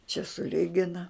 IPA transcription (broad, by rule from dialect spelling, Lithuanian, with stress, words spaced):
t͡ʃʲɛ sʊˈlʲɪɡʲɪnɐ